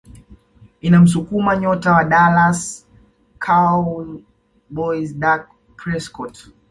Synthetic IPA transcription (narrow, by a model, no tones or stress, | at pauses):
inam̩sukumaɲɔtawaɗalas | kʰa | bɔizdak̚ | pɾɛskɔt